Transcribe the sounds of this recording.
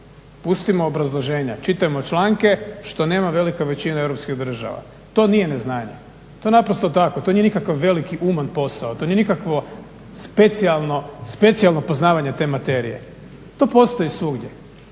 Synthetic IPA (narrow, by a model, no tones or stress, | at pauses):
pust̪imoːbɾazlˠoʒe̞ːɲat͡ʃit̪ajemo̞t͡ʃlˠaːŋke̞ʃt̪o̞ne̞ːmaʋe̞likaʋe̞t͡ɕinaewɾopskiɣd̪r̩ʒa̰ʋa̰ | t̪o̞nije̞neznaːɲḛ | t̪o̞enapɾost̪ot̪akot̪o̞nije̞nikakaʋːe̞likiʔumanpo̞saot̪o̞nije̞nikakʋo | spe̞t̪sialˠnospe̞t̪sialˠnopo̞znaːʋaɲet̪e̞ːmat̪e̞ɾḭjḛ | t̪o̞ːpo̞st̪o̞jisʋuɡdje